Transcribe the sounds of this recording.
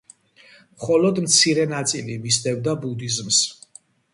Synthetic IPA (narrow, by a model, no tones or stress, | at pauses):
mχɔlɔd̪mt̪sʰiɾɛnat̪sʼilimisd̪ɛvd̪abud̪izms